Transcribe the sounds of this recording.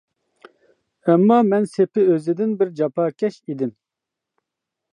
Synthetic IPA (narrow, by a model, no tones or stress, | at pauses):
ɛmːɑːmɛnsepɪøzɪd̪ɪnbɪɾd͡ʒɑpʰɑːkʲʰɛʃid̪ɪn